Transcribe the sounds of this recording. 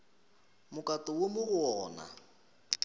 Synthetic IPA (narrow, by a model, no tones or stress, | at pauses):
mʊkʼatʼɔwomʊɣʊɔːna̰